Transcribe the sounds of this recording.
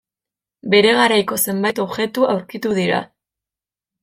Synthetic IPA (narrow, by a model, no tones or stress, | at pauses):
be̞ɾe̞ɣaɾajko̞se̞mbajt̪o̞βʝe̞t̪uʔawɾkit̪uð̞iɾa̰